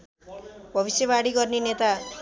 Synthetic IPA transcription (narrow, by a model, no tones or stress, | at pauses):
bʱʌβisjʌbaɽiɡʌrnenet̪a